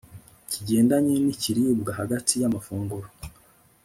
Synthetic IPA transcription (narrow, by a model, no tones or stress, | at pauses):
ciɟe̞ːndaɲeniciɾibɡahaɡatʰijamafuːŋɡuɾo̥